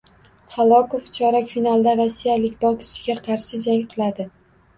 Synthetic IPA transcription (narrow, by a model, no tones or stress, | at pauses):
halˠɒkoft͡ʃʰɒɾakʲfinalˠd̪aɾasːijalɪkʲbɒkʲʰɪ̥ʃɪɡʲaqʰɑɾʃɪd͡ʒaŋqʰɨlˠad̪ɪ